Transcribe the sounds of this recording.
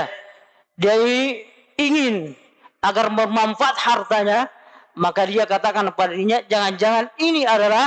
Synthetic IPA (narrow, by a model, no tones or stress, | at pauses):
diai | iŋɪn | aɡarməmaɱfaʔat̪̚hart̪aɲa | makadiakat̪akankəpadaiɲad͡ʒaŋand͡ʒaŋaniniadala